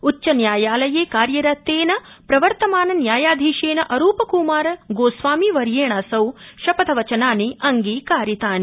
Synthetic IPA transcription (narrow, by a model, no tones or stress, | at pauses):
uːt͡ʃːɐnjaːjaːlɐjeːkaːɾjɐɾɐt̪ːeːnɐpɾɐʋɐɾt̪ɐmaːnɐnjaːjaːd̪ʱiːʃeːnɐʔɐɾuːpɐkuːmaːɾɐɡoːsʋaːmiʋɐɾjeːɳaːsɐwʃɐpɐt̪ʰɐʋɐt͡ʃɐnaːniʔɐŋɡiːkaːɾit̪aːni